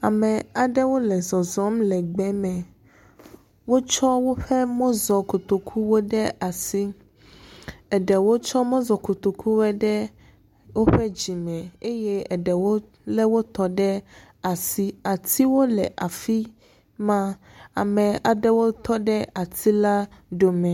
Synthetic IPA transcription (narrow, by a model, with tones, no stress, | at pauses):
a˨mɛ̃˨a˨ɖɛ˦wo˦lɛ˨zɔ˨zɔ˦mlɛ˨ɡ͡bɛ˦mɛ̃˨ | wo˦t͡ʃɔ˦wo˦ɸɛ˦mõ˦zɔ˨ko˨t̪o˨kʰu˦wo˦ɖɛ˦a˨si˦ | ɛ˨ɖɛ˨wo˦t͡ʃɔ˦mõ˦zɔ˨ko˨t̪o˨kʰu˦wɛ˦ɖɛ˦ | wo˦ɸɛ˦d͡ʑi˨mɛ̃˨e˦jɛ˦ɛ˨ɖɛ˨wo˦ | lɛ˦wo˦t̪ɔ˦ɖɛ˦ | a˨si˦a˨t̪ʰi˦wo˦lɛ˨ʔa˨fi˦ | mã˦ | a̰˨mɛ̃˨a˨ɖɛ˦wo˦t̪ɔ˦ɖɛ˦ʔa˨t̪ʰi˦la˦ɖo˦mɛ̃˨